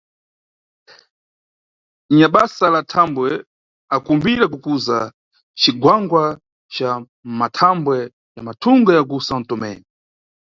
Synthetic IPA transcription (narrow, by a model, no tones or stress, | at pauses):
ɲaɓasalatʰambwɛ | akumbiɾakukuza | t͡ʃiɡwaŋɡwa | t͡ʃa | matʰambwɛ | jamatʰuŋɡajaɡusan̩tɔmɛ̰ːni